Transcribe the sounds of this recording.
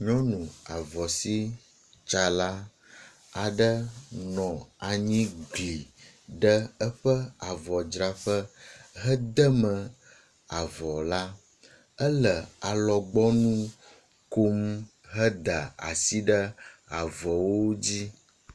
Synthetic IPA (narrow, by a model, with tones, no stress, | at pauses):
ɲɔ̃˦nũ˨a˨vɔ˨si˦ | t͡ʃa˨la˦ | a˨ɖə˦nɔ̃˨a˨ɲĩ˦ɡli˨ | ɖə˦ə˦ɸə˦a˨vɔ˨d͡ʒɾa˨ɸə˦ɦə˦d̪ə˦mə̃˨ | a˨vɔ˨la˦ | ə˦lə˨a˨lɔ˨ɡ͡bɔ˦nũ˦ | ko˦m | ɦə˦d̪a˨a̰˨si˦ɖə˦a˨vɔ˨wo˦d͡ʑi˦